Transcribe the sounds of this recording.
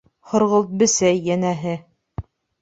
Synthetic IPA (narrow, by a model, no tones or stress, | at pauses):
χŏɾʁɤ̆lˠt̪̚bɘ̆sæjːænæɦɘ